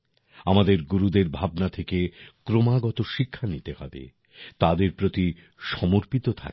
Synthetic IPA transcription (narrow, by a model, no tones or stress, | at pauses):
amad̪eɾɡuɾud̪eɾbʱabnat̪ʰekekɾomaɡɔt̪oʃikʰːanit̪ehɔ̰bḛ | t̪ad̪eɾpɾot̪i | ʃɔmoɾpit̪ot̪ʰa̰k